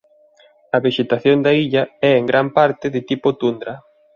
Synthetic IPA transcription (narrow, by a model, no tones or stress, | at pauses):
ɐβeʃet̪aθjond̪aiʎaɛeŋɡɾampaɾt̪ɪðɪt̪ipot̪und̪ɾɐ